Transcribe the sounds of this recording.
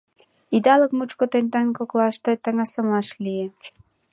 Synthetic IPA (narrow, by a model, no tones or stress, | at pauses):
id̪ɑləkmut͡ɕkot̪enʲt̪ɑnʲkoklɑʃt̪ɑjt̪ɑŋɑsə̆mlɑʃlʲije